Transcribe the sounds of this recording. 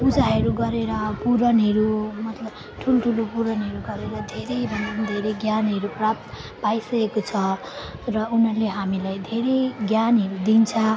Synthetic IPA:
bud͡zaɦʌɾuɡʌɾeɾʌpuɾʌnɦʌɾumʌt̪lʌb | ʈʰulʈʰulopuɾʌnɦʌɾuɡʌɾeɾʌd̪ʱeɾʌjbʱʌnt͡sʌnd̪ʱeɾʌjɡjanɦʌɾuprap̚t̪ | pajsʌkekot͡sʰʌ | rʌunʌrleɦamilajd̪ʱeɾejɡjanɦʌɾud̪int͡sʰʌ

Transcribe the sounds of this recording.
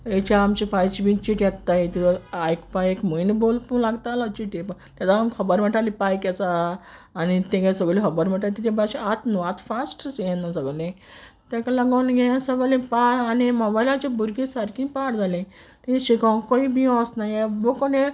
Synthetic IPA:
et͡ɕaːmt͡ɕipajt͡ɕibĩt͡ɕiʈjɛt̪ːajet̪iajkpajekmujnebolpulaɡt̪alat͡ɕiʈjepə | t̪at̪ankʰəbəɾm̤əʈalipajkasaː | nit̪ẽɡasəɡlẽɦəbəɾm̤əʈalt̪it̪ʰebaɕiat̪nuat̪fasʈsjenəsəɡlẽ | t̪akalaɡanɡẽasəɡlẽpaɽaniməbajlat͡ɕebʱuɾɡẽsaɾkĩpaɽd͡zʱalẽ | t̪iɕikãkoibiɔ̃snajeʋokone

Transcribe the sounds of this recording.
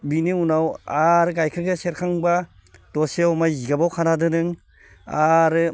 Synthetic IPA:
biniunawaɾɯɡajkʰɾɯɡeseɾkʰaŋba | d̥ɔsiawmajiɡabawkʰanadɯnɯŋ | aɾɯ

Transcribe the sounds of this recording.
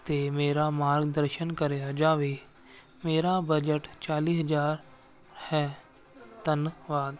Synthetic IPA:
t̪eːmeːɾaːmaːɾɡd̪əɾʃənkəɾeːad͡ʒaːʋeː | meːɾaːbəd͡ʒəʈt͡ʃaːliːsəd͡ʒaːɾ | hɛː | t̪ənʋaːd̪

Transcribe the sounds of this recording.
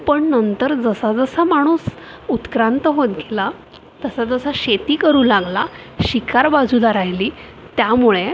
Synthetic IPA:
pəɳnənt̪əɾd͡zəsad͡zəsamaɽ̃uːs | ut̪kɾant̪əɦot̪ɡʱela | t̪əsad͡zəsaɕet̪iːkəɾuːlaɡla | ɕikʰaɾbad͡zuːlaɾajliː | t̪jamuɭe

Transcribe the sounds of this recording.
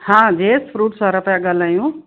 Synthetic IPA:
hãd͡ʒespʰɾuʈsʌɾəpjaɡəlajũ

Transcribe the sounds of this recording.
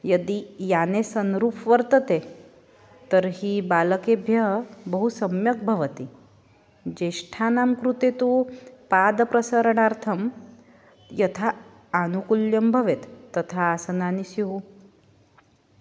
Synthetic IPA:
jəd̪ijanesənɾupʰʋəɾt̪ət̪e | t̪əɾɦibaləkebʱjɐɦbəɦusəmjək̚bʱəʋət̪i | d͡ʑeʂʈʰanamkɾut̪et̪upad̪pɾəsəɾəɳaɾt̪ʰəm | jɐt̪ʰaː | nukuljəmbʱəʋet̪ːət̪ʰaːsənanisiɦu

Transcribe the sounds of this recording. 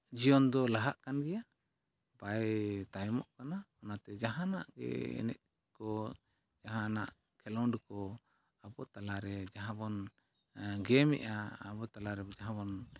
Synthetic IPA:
d͡ʒijɔnd̪ɔlaɦaʔkanɡɛjaʔ | bajt̪ajmɔ̰ʔkanaɔnat̪ɛd͡ʒaɦana̰ʔɡɛ̰ɛ̰nɛ̰ʔ̚ | kɔ | d͡ʒaɦãna̰ʔ | kʰɛlɔwɖkɔ | abɔt̪alaɾɛd͡ʒaɦãbɔn | ɡɛmɛ̰ʔa̰ːbɔt̪alaɾɛd͡ʒaɦãbɔn

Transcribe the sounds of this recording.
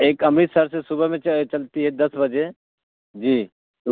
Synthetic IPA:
eːkɐmisəɾsesʊbəmẽt͡ʃɐlt̪iɦɛd̪ɐsbɐd͡ʒe | d͡ʒiː

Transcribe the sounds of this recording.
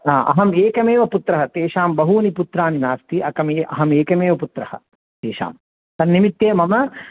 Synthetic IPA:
aːʔɐ̰ɦɐmeːkɐmeːʋɐput̪ɾɐɦɐt̪eːʃaːmbɐɦuɐniput̪ɾaːninaːst̪iʔɐkɐmeːʔɐ̰ɦɐmeːkɐmeːʋɐput̪ɾɐhɐ̰ | t̪eːʃa̰ːm | sɐnːimit̪jeːmɐmɐ

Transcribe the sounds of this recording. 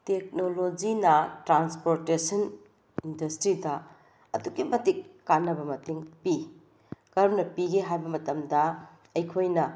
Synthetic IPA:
tek̚nolod͡ʒinɐtɾanspoɾtesɐn | indɐstɾidɐ | ɐduɡimɐtikːanːɐbɐmɐtiŋpi | kɐɾnɐpiɡeɦajbɐmɐtɐmdɐ | ɐjkʰojnɐ

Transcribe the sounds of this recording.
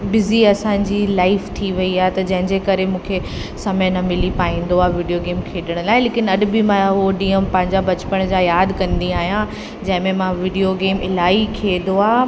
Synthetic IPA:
bɪziɐsãːɲd͡ʑilaːɪft̪ʰiʋɐiaːɦet̪ɐd͡ʑɐ̃ɦɪ̃ɲd͡ʑekɐɾemũːkʰe | sɐmənɐmɪlipaːĩːn̆d̪oaːɦʋɪːɖijoɡeːmkʰeːɗəɽ̃ʊlaːɪleːkɪnɐɗbɪmãɦoɗiːəmpɐ̃ɦɪ̃ɲd͡ʑabɐt͡ɕɪ̥pəɽ̃d͡ʑaːjaːd̪kɐ̃nd̪iaːɦijã | d͡ʑɐ̃ɦɪ̃mẽmãʋɪɖijoɡeːmɪlaːikʰeːd̪oaː

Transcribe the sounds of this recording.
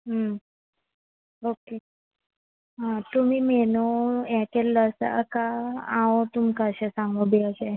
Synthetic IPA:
ɦə | oke | ɦãt̪um̤iːmɛnoɛ̃kelːəsə̰kaãot̪umkaɕesãŋɡobiəɕe

